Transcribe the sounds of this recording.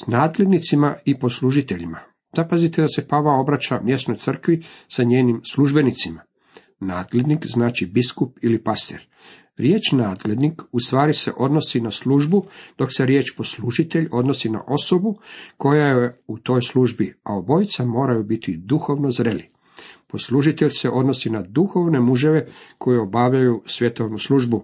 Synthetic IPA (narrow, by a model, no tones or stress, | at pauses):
naːd̪lʲe̞d̪nit̪simaipo̞sluʒit̪eʎima | d̪̥apazit̪ed̪ase̞paʋao̞bɾat͡ʃamje̞st̪no̞jt̪sr̩kʋisaɲeːnimsluʒbe̞nit̪sima | naːd̪le̞d̪nikznaːt͡ʃibiskupilipast̪ḛɾ | ɾje̞ːt͡ʃnaːd̪le̞d̪nikust̪ʋaːɾise̞̰ʔo̞d̪no̞sinasluʒbud̪̥o̞kse̞ɾje̞ːt͡ʃpo̞sluʒit̪e̞ʎo̞d̪no̞sina̰ʔo̞so̞buko̞jajeeut̪o̞ːjsluʒbiaobo̞jt̪samo̞ːɾajubit̪id̪uxo̞ʋno̞zɾeli | po̞sluʒit̪e̞ʎʲse̞ʔo̞d̪no̞sinad̪uxo̞ʋne̞muʒe̞ʋe̞kʰo̞jeo̞baʋʎajusʋje̞t̪oʋnusluːʒbu